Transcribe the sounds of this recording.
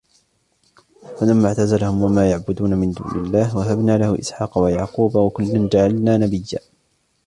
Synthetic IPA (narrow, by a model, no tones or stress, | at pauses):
falamːaʕt̪azalahʊmwamaːjaʕbʊd̪uːnamɪnd̪ṵːnɪ̰lːaːhwaɦabnaːlahʊʔɪ̰sħɑːqɑwajaʕquːbawakʊlːand͡ʒaʕalnaːnabɪjːaː